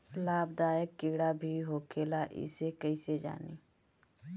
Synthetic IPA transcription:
laːbd̪aːjəkːɪːɽabʱiɦoːkʰeːlaʔɪ̰sekəised͡ʒa̰ːniː

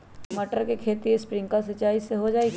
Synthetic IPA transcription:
məʈəɾkekʰeːt̪iespɾɪ̃ŋɡkasɐt͡ʃaːiseɦod͡ʒaːeɡ

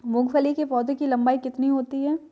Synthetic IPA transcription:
mʊɡfəlikepɔːd̪ʱekilɐ̃mbaːikɪt̪niɦoːt̪iɦɛː

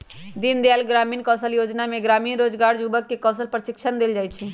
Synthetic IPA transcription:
d̪ind̪jalɡɾamiːnkɔsəljod͡ʒnameɡɾamiːnɾod͡ʒɡaɾd͡ʒubəkːekɔsəlpɾəʃikʃʰənd̪eld͡ʒajt͡ʃʰi

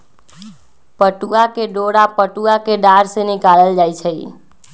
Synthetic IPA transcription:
pəʈuakeɖoɽapəʈuakeɖaɾsenikaləld͡ʒajt͡ʃʰəj

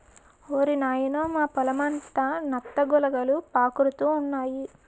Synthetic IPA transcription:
oːɾinaːjɐnoːmaːpɐlɐmɐnt̪ɐnɐt̪ːɐɡulɐɡɐlupaːkuɾut̪uːnːaːji

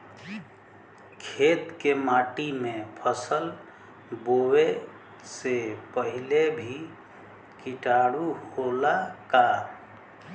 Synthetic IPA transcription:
kʰet̪kemaʈimepʰəsəl | bowe | sepəɦilebʱi | kiʈaɽuholaka

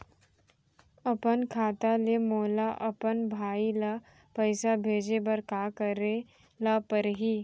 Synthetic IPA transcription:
ɐpənkʰaːt̪alemoːlaʔɐpənbʱaːila | pəɪsabʱeːd͡ʒebəɾkaːkəɾe | lapəɾɦiː

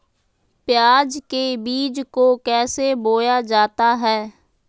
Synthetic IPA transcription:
pɪjaːd͡ʒkebiːd͡ʒkoːkɛːseboːjaːd͡ʒaːt̪aɦɛː

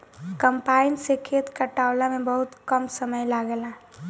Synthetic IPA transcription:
kəmpaːɪnsekʰeːt̪kəʈaːwlamẽbɐɦʊt̪kəmsəməjlaɡɛla

